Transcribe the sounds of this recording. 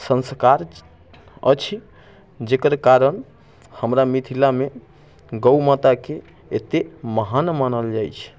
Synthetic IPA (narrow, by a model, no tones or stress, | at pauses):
sə̃nskaɾ | ə̰t͡ʃʰi | d͡ʒekəɾkaɾən | həmɾamit̪ʰilame | ɡəwmat̪ake | et̪eməɦanmanəld͡ʒajt͡ʃʰ